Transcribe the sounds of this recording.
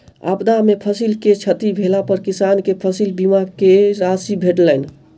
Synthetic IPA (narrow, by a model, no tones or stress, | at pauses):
a̰pd̪amepʰəsilket͡ʃʰət̪ibʱelapəɾkisankepʰəsilbimakeɾasibʱeʈləjn